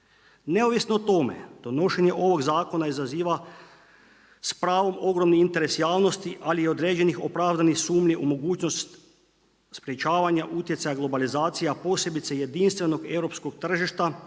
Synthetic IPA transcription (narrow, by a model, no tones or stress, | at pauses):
ne̞oʋisnoːt̪o̞me̞̰d̪̥o̞no̞ʃeɲe̞ʔo̞ʋo̞ɡzaːko̞naizaziːʋa | spɾaːʋo̞mo̞ɡɾo̞mniint̪e̞ɾe̞sjaːʋno̞st̪iʔalio̞d̪ɾeːd͡ʑe̞nixo̞pɾaːvd̪anixsuːmʎiʔumo̞ɡuːt͡ʃnost̪t̪ | spɾjet͡ʃaːʋaɲaʔut̪je̞t̪ajaɡlˠo̞balizaːt̪sijapo̞ːsje̞bit̪seje̞d̪inst̪ʋe̞no̞ɡe̞wɾo̞psko̞k̚t̪r̩ʒiʃt̪a